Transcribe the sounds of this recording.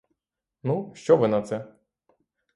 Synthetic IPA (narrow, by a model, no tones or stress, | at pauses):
nuʃt͡ʃɔʋɪnɐt̪sɛ